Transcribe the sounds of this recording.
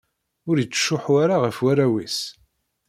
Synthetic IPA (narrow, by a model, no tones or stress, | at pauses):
ʊɾjət͡sːʃːʊħwaɾaʁəfwaɾæwis